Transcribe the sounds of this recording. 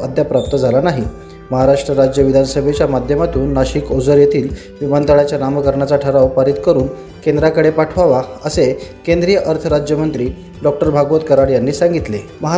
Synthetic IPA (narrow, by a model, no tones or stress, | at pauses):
əd̪ʱjapɾap̚t̪əd͡zʱalanaɦi | məɦaɾaʂʈɾəɾad͡ʑjəʋid̪ʱansəbʱet͡ɕjamad̪ʱjəmat̪uːnːaɕiːkod͡zəɾjet̪iːl | ʋimant̪əɭat͡ɕjanaməkəɾɳat͡saʈʰəɾaʋpaɾiːt̪kəɾuːn | kend̪ɾakəɽepaʈʰʋaʋaəsekend̪ɾijəʔəɾt̪ʰəɾad͡ʑjəmənt̪ɾiː | ɖɔk̚ʈəɾbʱaɡʋət̪kəɾaɽjanːiːsãŋɡit̪leməɦ